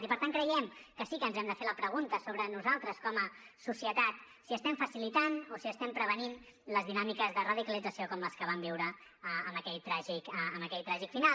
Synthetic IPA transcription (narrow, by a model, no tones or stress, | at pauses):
t̪ipəɾt̪aŋkɾəjɛmkəsikənzɛmd̪əfeləpɾəɣ̞unt̪əsoβɾənuzalˠt̪ɾəskɔməsusiət̪at̪ | siəst̪ɛmfəsilit̪anosiəst̪ɛmpɾəβ̞ənin | ləzðinamikəzðərəð̞ikəlid͡zəsiokɔmləskəβ̞ambiwɾəəəməkɛʎt̪ɾaʒikəəːməkɛʎt̪ɾaʒikfinal